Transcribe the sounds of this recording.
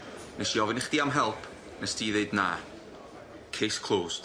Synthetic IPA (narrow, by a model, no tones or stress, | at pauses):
nesiɔvɪnɪχd̥iamɦɛlˠpʰ | nɛsd̥iːðeɨdna | kʰejskʰl̥ˠoːs